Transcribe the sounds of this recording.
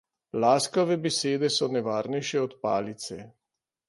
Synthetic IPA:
laːskɔʋɛbɛseːd̪ɛsɔnɛʋaːɾnɛjʃɛɔt̪pa̰ːlit̪sɛ

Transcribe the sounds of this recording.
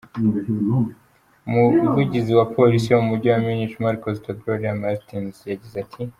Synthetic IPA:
umuvuɟiziwapʰo̞lisijomumuɾɟowaminitimaɾikozitaɡɾoɾiamatinzjaɟizatʰi

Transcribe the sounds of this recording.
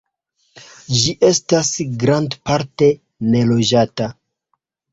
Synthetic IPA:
d͡ʒiʔe̞stasɡɾandpaɾte̞ | ne̞lo̞d͡ʒata

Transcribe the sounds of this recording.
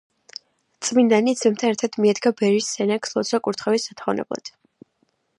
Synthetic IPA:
t̪sʼmind̪anit̪sʰmɛmt̪ʰanɛɾt̪ʰad̪ʰmiɛd̪ɡabɛɾisːɛnakslˠɔt̪sʰakʼuɾt̪ʰχɛvisːat̪ʰχɔvnɛ̰blˠa̰d̪̥

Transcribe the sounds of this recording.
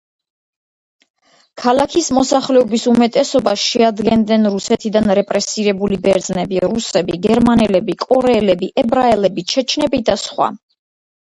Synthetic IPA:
kʰalakʰismɔsaχlɛɔbisumɛt̪ʼɛsɔbasʃɛad̪ɡɛnd̪nɛnɾusɛt̪ʰid̪anɾɛpʼɾɛsiɾɛbulibɛɾd̪znɛbiɾusɛbiɡɛɾmanɛlɛbikʼɔɾɛːlɛbiʔɛbɾaɛlɛbit͡ʃʰɛt͡ʃʰnɛbid̪asχwa̰

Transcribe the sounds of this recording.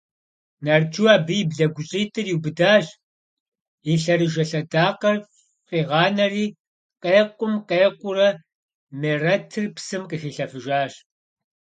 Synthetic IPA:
nard͡ʒuwaːbɨjbɮɐɡʷʊɕʼiːtʰʼɨrjiwbɨdaːɕ | iɬɐrɨʒɐɬɐdaːqɐr | qiːʁɑːnɐriː | qeːqʷʼʊmqeːqʷʊrɐ | meːrɐtʰɨrpsɨmqəxiːɬɐfɨʒaːɕ

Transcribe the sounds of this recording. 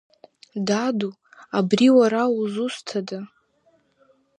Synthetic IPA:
dadu | abriwaɾauzustʰada

